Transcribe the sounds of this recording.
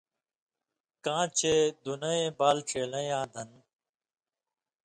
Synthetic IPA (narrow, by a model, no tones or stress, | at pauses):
kãːt͡ɕʰeːd̪unɐẽːbaːlʈ͡ʂʰeːlɐ̃jãːd̪ɐn